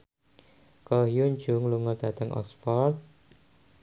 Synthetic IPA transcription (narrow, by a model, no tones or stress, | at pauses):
kɔhjuɲd͡ʒʊŋluŋɔd̪̥ä̤t̪əŋʔɔ̰sfɔrt̪̚